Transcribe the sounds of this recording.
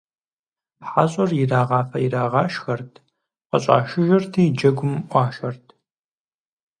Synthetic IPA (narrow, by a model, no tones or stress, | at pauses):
pħaːɕʼɐrjɪraːʁɑːfɐjɪraːʁɑːʃxɐrtʰ | qəɕʼa̰ːʃɪʒɐrtʰiːd͡ʒɐɡʷʊmʔʷɑːʃɐrtʰ